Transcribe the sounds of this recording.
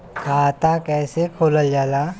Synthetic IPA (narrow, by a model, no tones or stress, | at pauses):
kʰaːt̪akɛːsekʰoːləld͡ʒaːla